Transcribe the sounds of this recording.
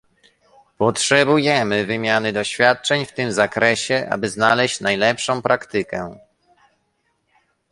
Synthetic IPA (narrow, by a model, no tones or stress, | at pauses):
pɔtʂɛbujɛmɘvɘmʲjanɘd̪ɔɕfʲjat̪̚t͡ʂɛɲft̪ɘmzakɾɛɕɛʔa̰bɘznalɛɕt͡ɕnajlɛpʂɔ̃w̃pɾʔakt̪ɘkɛ